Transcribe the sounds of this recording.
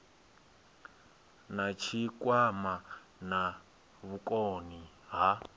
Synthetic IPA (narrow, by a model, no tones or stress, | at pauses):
nat͡ʃʰikwama | na | βukʼoni | ɦa